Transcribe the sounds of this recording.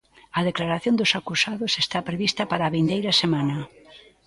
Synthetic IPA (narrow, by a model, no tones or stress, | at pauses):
ɐðeklaɾaθjond̪ʊsakusaðʊsest̪apɾeβist̪ɐpaɾaːβind̪ejɾɐsemanɐ